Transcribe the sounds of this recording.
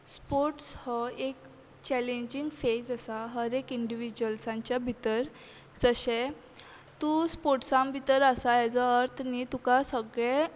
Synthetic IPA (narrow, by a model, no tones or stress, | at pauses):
spoɾʈshɔek | t͡ɕɛlẽɲd͡ʑiŋɡfed͡zəsaɦəɾekiɳɖiʋid͡ʑuəlsãɲt͡ɕjabʱit̪əɾ | d͡zəɕe | t̪uspoʈsãmbʱit̪əɾasajɛd͡zɔəɾt̪ʰnit̪ukasəɡɭẽ